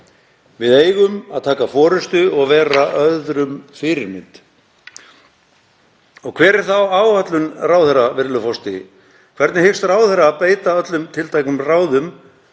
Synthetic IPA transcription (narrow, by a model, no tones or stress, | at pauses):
vɪðeːjɣʏmaðt̪ʰaːkafɔːɾʏst̪ʏɔɣvɛːɾaʔœððɾʏmfɪɾɪɾmɪnt̪ | ɔɣkʰvɛːɾɛɾ̥θawaːwhat̪lʏnraːwθɛravɪɾlʏfɔst̪ɪ | kʰvɛɾt̪nɪhɪxst̪raːwθɛɾaːðpeːjt̪aœt̪lʏmt̪ʰɪlt̪ʰajknʏmraːwðʏm